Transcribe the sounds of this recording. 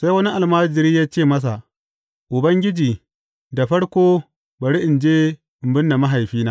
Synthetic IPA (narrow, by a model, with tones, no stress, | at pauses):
sa˦jwɐ˦ni˦ʔa˨lmaː˦d͡ʒɪ˨ɾiː˦jaː˦t͡ʃeː˦˨mɐ˦s̬a˨ | ʔʊ˨bɐ˦ŋɡʲɪ˦d͡ʒiː˨ | da˨ɸɐ˦ɽkʷoː˦ | ba˨ɽi˦ʔɪ˨nd͡ʒeː˦ | ɪ˨mbɪ˦nːa˨ma˦ɦa˨jɸiː˦naː˦